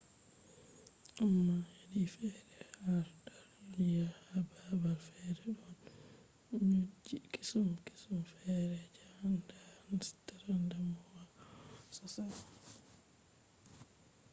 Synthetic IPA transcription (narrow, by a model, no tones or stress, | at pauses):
ʔamːahedifɛɾɛhaɾdaɾnjaababalfɛɾɛɗɔn | ɲud͡ʒiki̥sumki̥sumfɛɾɛd͡ʒandanstaɾandamɔwasɔsa